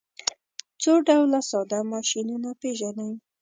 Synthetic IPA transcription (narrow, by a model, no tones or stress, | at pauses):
t͡soɖawlasɑd̪amɑʃinunapeʒanaj